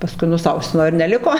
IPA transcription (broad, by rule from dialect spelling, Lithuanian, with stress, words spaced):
pɐˈskʊɪ nʊˈsɐʊsʲɪmoː ɪr nʲɛˈlʲɪkoː